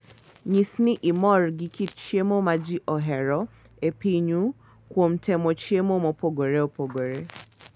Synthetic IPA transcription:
ɲisniʔimɔɾɡikitt͡ʃiemomad͡ʒiʔɔɦɛɾɔ | epiɲu | kwom̩tʰɛmot͡ʃiemomopoɡoɾeopoɡoɾe

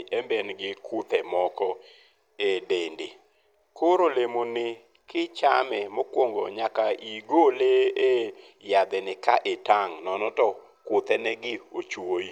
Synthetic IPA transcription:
ʔɛmbɛnɡɪkʰʊt̪ɛmɔkɔ | edende | koɾolemonɪ | kɪt͡ʃa̰mɛmokwoŋɡo̰ɲakaiɡolee | jad̪ɛnɪkaʔetaŋnɔnɔtɔ | kʊt̪ɛnɛɡɪot͡ʃwoi

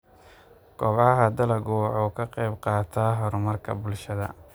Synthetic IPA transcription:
ɡ̥ɔbʕɐɦɐd̪ɐlɐɣɔːʕɔːkʰɐqɛjbqɑːt̪ʰaːɦɔɾʊmɐrkʰɐ̰bʊlʃɐðɐ̰

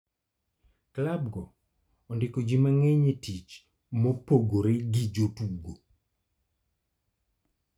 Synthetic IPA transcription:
klab̚ɡɔː | ndɪkod͡ʒimaŋɛɲetit͡ʃ | mopoɡoɾeɡid͡ʒotuɡo

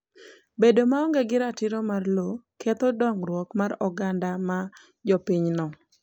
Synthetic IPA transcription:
bedomaɔŋɡɛɡɪɾatɪɾomarlokʰet̪odɔŋrwɔkmarɔɡandama | d͡ʒɔpiɲnɔ

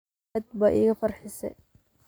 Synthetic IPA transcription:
d̪̚baʔḭːɣɐfɐrħɪsɛ̰

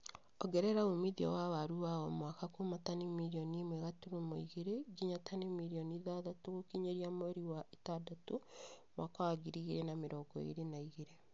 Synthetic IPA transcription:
ɔɡɛɾɛɾaomiðiɔ̰wawaɾuβawɔmwakakomatanimiɾiɔnimwɛɣatuɾomoiɣeɾeɡiɲatanemiɾiɔniðaðatoɣokiɲeɾiamoeɾiwaʔetadatomwaːkawaɡiɾiɣeɾenameɾɔɡɔḛɾenaiɣeɾe

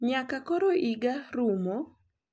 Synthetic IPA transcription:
ɲakakɔɾoʔiɡaɾumɔ

